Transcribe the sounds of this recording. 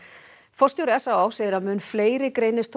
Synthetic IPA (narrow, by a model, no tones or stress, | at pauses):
fɔst̪jɔɾɛsawaːwseːjɾamʏnfleːjɾɪkɾejnɪst̪ʰ